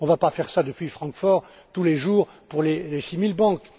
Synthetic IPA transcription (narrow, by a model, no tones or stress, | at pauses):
ɔ̃vapafɛʁsad̪əpɥifχɑ̃kfɔʁ | t̪uleʒuːʁ | puʁlelesimilbɑ̃k